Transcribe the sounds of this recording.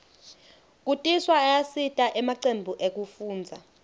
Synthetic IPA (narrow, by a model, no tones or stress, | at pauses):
k̬ʼutʼiswaːjasitʼaʔɛmaǀembʱuʔek̬ʼufuːnd͡zʱa